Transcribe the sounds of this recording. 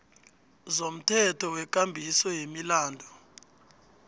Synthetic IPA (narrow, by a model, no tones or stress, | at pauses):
zom̩tʰɛtʰɔwɛk̬ʼambʱisɔjemilaːndʱɔ